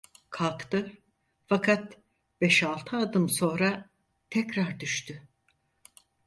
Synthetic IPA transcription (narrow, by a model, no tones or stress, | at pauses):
kʰalˠkt̪ɯ | fakʰat̪ | b̥ɛʃalˠt̪ʰɯad̪ɯmso̞ːnɾa | t̪ʰɛcɾaɾd̪yʃt̪ʰy